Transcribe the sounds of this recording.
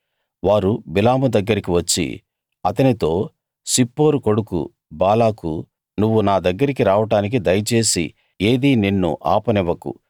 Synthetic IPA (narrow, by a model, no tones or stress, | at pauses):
ʋaːɾubilaːmud̪ɐɡːɐɾikiʋɐt͡ʃːḭ | ɐt̪ɐnit̪o̞ː | sipːo̞ːɾuko̞ɽukṵ | baːlaːkṵ | nuʋːunaːd̪ɐɡːɐɾikiɾaːʋɐʈaːnik̬id̪ɐjɐt͡ʃe̞ːsḭ | e̞ːd̪ininːṵʔaːpɐnɛʋːɐkṵ